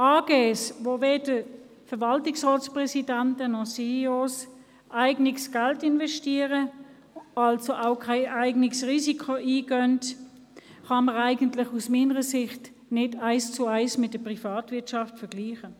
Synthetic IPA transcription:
ʔaːɡ̥eːsʋoveːd̥ə | fəɐvɑltɪksʁɔːspʁɛsidæntənɔχseos | ʔæɪɡnɪksɡ̥altɪnvɛʃtiːəʁə | ɑlsoʔaʊkʰaɪʔæɪɡnɪksʁiːsikʰoʔiːɡœnt | χɑməʁaɪɡəntlɪχusmiːnəʁəsɪχt | nɪdaɪst͡sʊaɪsmɪtdəpʁifaːtvɪɐtʃɑftfəɡ̥liːχə

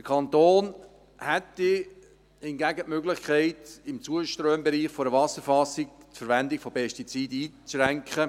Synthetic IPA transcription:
d̥əkʰɑnt̪oːn | hɛtːɪ | hɪnɡæɡətmøɡlɪχkʰɛɪtɪmt͡suəʃtɾøːmbɛɾiːχfoɾəvɑsəɾfɑsɪk̚tfəɾʋɛndɪkfopʰɛʃtit͡siːdiːt͡sʃrɛŋkχə

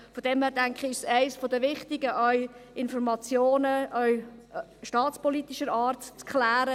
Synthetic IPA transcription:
fɔdɛmhæːɾdæŋkχəɪʃsæɪsfɔdəʋɪχtɪɡəʔœʏɪnfɔɾmɑt͡sjoːnəʔœʏ | ʃtɑːt͡spɔlit̪iʃəɾɑːrtt͡skχlæːɾə

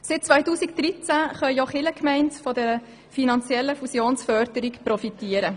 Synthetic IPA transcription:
sɪt̚t͡sʋœjtuːsikd̥̪ɾit͡sæχœjjoχɪləkmɛɪntfɔdɛɾə | finɑnt͡sjɛlːəfusjoːnsfœɾdəɾikprɔfitiəɾə

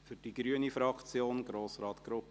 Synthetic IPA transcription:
fyɾd̥iɡ̥ɾyənifɾɑkt͡sjoːnɡ̥ɾoːsrɑːt̪ɡ̥ɾʊp

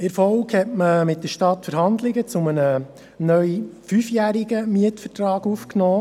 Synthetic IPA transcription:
ɪɾfɔlkhɛtməmɪt̚d̥̪əɾʃtɑtfəɾɦɑnd̪lɪɡət͡sʊmənə | nœɥfyːfjæːɾɪɡəmiətfətɾɑːɡufknɔː

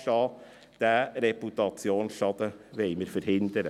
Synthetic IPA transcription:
ʃɑː | d̪̥æɾeput̪ɑt͡sjoːnsʃɑd̪əʋɛɪməɾfəɾhɪnd̪əɾə

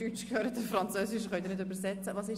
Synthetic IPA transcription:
yt͡ʃkʰhøːɾət̚dəfrant͡søːsɪʃχœnt̪iɪɾnɪtdybəɾsɛt͡səvɑːsɪ

